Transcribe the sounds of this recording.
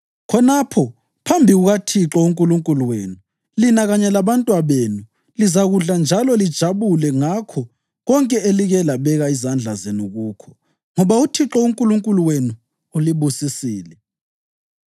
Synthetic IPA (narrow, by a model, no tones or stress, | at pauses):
kʰɔnapʰɔ | pʰambʱiɣuɣatʰiǁɔuŋkʼuluŋkʼuluweːnu | linaɣaɲɛlaβantʼwaβeːnu | lizaɣuɮand͡ʒʱalɔlid̥ʒ̥ʱaβulɛŋakʰɔ | ɣɔŋkʼɛeliɣɛlaβɛɣaizand͡ɮʱazenuɣuːkʰɔ̥ | ŋɔβautʰiǁɔuŋkʼuluŋkʼuluwenu | uliβusisiːlɛ